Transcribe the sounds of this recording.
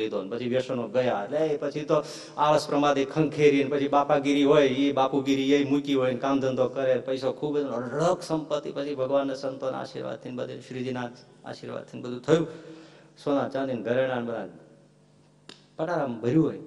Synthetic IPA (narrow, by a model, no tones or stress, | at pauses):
id̪onpət͡ʃʰiʋjəʃonoɡəjaətleepət͡ʃʰit̪o | aʋəspɾəmad̪ikʰə̃ŋɡkʰeɾiənpət͡ʃʰibapaɡiɾiɦojebapuɡiɾiejmukiɦojnkamd̪ʱənd̪okəɾepəjsokʰubəd͡ʒ̪onoɾəkʰsəmpət̪ːipət͡ʃʰibʱəɡʋanːəsənt̪on̰a̰ʃḭɾʋa̰d̪̚t̪ʰinbəd̪ʱḛʃɾid͡ʒinad͡ʒa̰ʃiɾʋa̰d̪̚t̪ʰinbəd̪ʱut̪ʰəjũ | sonat͡ʃãnd̪inɡʱəɾeɽ̃anbəd̪ʱa̰n | pəʈaɾambʱəɾjũɦoj